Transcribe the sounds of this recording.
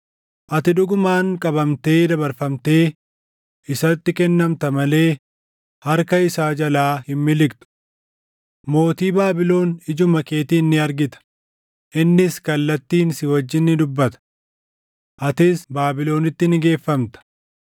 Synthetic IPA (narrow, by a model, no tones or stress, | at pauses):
ʔɐt̪ɪᶑʊɡʊmaːŋkʼɐbɐmt̪e̞ːd̪ɐbɐɾfɐmt̪e̞ː | ʔɪsɐt̪ːɪkɛnːɐmt̪ɐmɐle̞ː | hɐɾkɐɪsaːd͡ʒɐlaːhɪmːɪlɪkt̪ʊ̥ | mo̞ːt̪iːbaːbɪlo̞ːnɪd͡ʒʊmɐkʼe̞ːt̪iːnːɪɐɾɡɪt̪ɐ̥ | ʔɪnːɪskɐlːɐt̪ːiːnsɪwɐd͡ʒːɪnːɪd̪ʊbːɐt̪ɐ̥ | ʔɐt̪ɪsbaːbɪlo̞ːnɪt̪ːɪnɪɡe̞ːfːɐmt̪ɐ̥